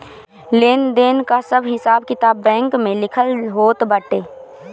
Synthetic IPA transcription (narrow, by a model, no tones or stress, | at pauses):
leːnd̪eːnkasəbɦɪsaːbkɪt̪aːbːɛ̃ːŋkmẽlɪkʰəlɦoːt̪bəʈeː